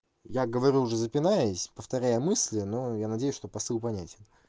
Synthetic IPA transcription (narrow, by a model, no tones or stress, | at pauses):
jaɡəvɐɾʲuʊʐɛzəpʲɪnajəsʲpəft̪ɐɾʲæjəmɨsʲlʲɪno̞janɐdʲejʊsʲʂt̪opɐsɨlˠpɐnʲætʲɪn